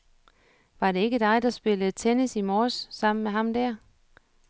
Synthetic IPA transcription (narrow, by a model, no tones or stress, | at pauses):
ʋɑ̈ɾe̝e̝ɡ̥əd̥ɑ̈ɪd̥ɑ̈sb̥e̝lət͡sʰenisimɒːsːɑ̈m̰n̩meɦɑ̈md̥æɐ̰